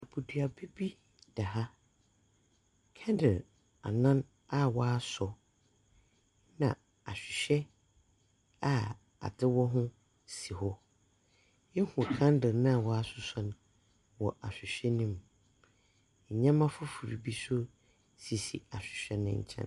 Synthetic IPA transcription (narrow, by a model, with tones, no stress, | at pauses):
a˨bʰu˨du˨a˨be˦bi˦ | d̥a˨ɦa˦ | kʰɛ̃˦ndɪ˨l | a̰˨nã˦n | a˦wɔ˦a˦sɔ˨ | nã̰˨ | a˨ɕᶣɪ˨ɕᶣɛ˦ | a˦ | a̰˨dɪ˦wɔ˦ɦʊ̃˦ | si˨hɔ˦ | jɛ˦hʊ̃˨kʰã˦n˦dɪ˨nã˦˨wɔ˦a˦sʊ˦sɔ˦ñ˨ | wɔ˨ʔa˨ɕᶣɪ˨ɕᶣɛ˦nĩ˦m˨ | ɲã˦mã˦fʊ˦fu˨ɾḭ˨bi˦sʊ˦ | si˨sḭ˨a˨ɕᶣɪ̥˨ɕᶣɛ˦nʊ̰̃˦ɲ̰˨t͡ɕʰɛ̰̃˦n